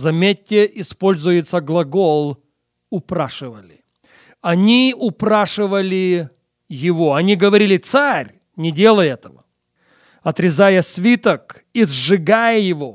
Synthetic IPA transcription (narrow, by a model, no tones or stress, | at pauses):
zɐmʲetʲːɪʔɪspo̞lʲzʊjɪt̪səɡlˠɐɡolˠ | ʊpɾaʂɨvəlʲɪ | ɐnʲiʊpɾaʂɨvəlʲɪ | jɪvoɐnʲiɡəvɐɾʲilʲɪt̪saɾʲ | nʲɪdʲe̞lˠəjɛt̪əvə̰ | ɐt̪ɾʲɪzajəsʲvʲit̪ək | izʐɨɡajəjɪvo